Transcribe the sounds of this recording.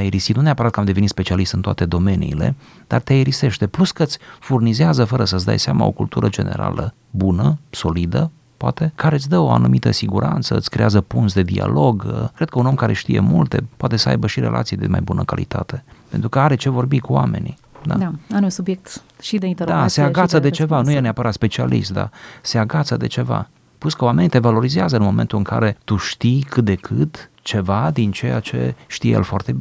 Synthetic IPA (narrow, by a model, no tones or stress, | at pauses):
ajeɾisit̪nuneapəɾat̪kəamd̪evenit̪spe̞t͡ʃialist̪ɨnt̪oa̰t̪e̞d̪o̞me̞nḭːle̞̰ | d̪̥art̪eajeɾise̞ʃt̪e̞pluskət̪sʲfurnizeazəfəɾəsət̪sʲd̪a̰jseama̰o̞̰kult̪uɾʔəd͡ʒe̞ne̞̰ɾa̰lʔə | bunəso̞lid̪ə | poat̪e̞kaɾe̞ɨt̪sʲd̪əo̞a̰numit̪əsiɡuɾant̪səɨt̪sʲkɾe̞̰azəpunsd̪e̞d̪ia̰lo̞ɡkɾed̪kəuno̞mkaɾeʃt̪ije̞̰mult̪e̞̰poat̪e̞səa̰jbəʃiɾe̞̰lʔa̰t̪sied̪ḛma̰jbunəkalḭt̪a̰t̪e̞pent̪ɾukəaɾe̞t͡ʃe̞vo̞rbikuwa̰me̞̰ni | d̪a̰daɾunsubjek̚t̪ | ʃid̪eint̪eɾd̪aseaɡat̪səd̪e̞t͡ʃe̞vanujeneapəɾat̪spe̞t͡ʃialḭst̪̚d̪a̰se̞aɡat̪səd̪e̞t͡ʃe̞va̰ | puskəowame̞nit̪e̞valo̞ɾizeazəɨnmo̞ment̪ulɨŋka̰ɾe̞t̪uʃt̪ikɨt̪̚d̪e̞kʰɨt̪ | t͡ʃe̞vad̪int͡ʃe̞jat͡ʃe̞̰ʃt̪ijḛjḛlfoart̪ebi